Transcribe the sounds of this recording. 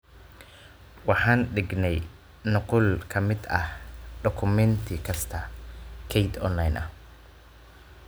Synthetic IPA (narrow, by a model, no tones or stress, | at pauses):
wɑħɑːnɖɪɡnɛj | nʊqʊlkʰɐmɪd̪ɐhɖɔkʰʊmɛnt̪ʰɪkʰɐst̪ʰɐkʰɛjt̪ɔ̰nlɐjnʔɐ̰h